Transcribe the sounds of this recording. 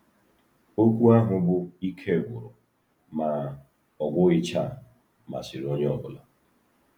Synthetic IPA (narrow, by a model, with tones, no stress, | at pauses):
o˦kʷu˦a˦ɦʊ˨bʊ˦i˦kʰe˦˨ɡʷʊ˨ɾʊ˨ | ma˨ | ɔ˨ɡʷʊ˦ɪ˦t͡ʃa˦˨ | ma̰˨si˨ɾo˦ɲ˦ɔ˨bʊ˨la˨